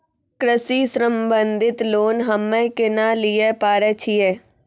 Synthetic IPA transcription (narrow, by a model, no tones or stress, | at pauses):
kɾəsisɾəmbə̃nd̪ʱɪt̪loːnɦəmẽkɪnalijepaːɾɛt͡ʃʰiɛː